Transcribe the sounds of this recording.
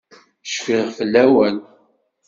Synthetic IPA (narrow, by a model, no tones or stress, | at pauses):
ʃfiʁfəlːæwæn